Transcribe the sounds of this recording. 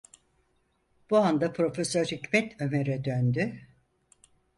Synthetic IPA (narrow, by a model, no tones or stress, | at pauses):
b̥uand̪apʰɾo̞fesøɾhicmɛt̪ʰømeɾɛd̪ønd̪y